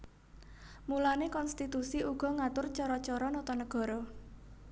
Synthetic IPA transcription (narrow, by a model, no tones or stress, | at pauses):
mulanekɔnst̪it̪usiuɡ̥ɔ̤ŋat̪ʊrt͡ʃɔɾɔt͡ʃɔɾɔnɔt̪ɔnəɡ̥ɔ̤ɾɔ